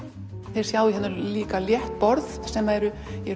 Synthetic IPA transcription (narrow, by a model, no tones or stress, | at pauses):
θejɾ̥sjawiɦɛnːʏɾliːkaljɛht̪̚pɔɾðsɛmːaɛɾʏ | ɛɾ